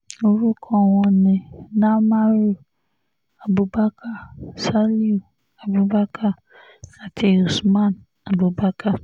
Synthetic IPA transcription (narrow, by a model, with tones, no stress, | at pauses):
o˨ɾu˦kʰɔ˦˨wɔ̃˨nɪ̃˨na˦ma˦ɾi˦ | a˨bu˨ba˦kʰa˦sa˦li˦u˨ | a˨bu˨ba˦kʰa˦ | a˨tʰi˨u˨smã˦˨n | a˨bu˨ba˦ka˦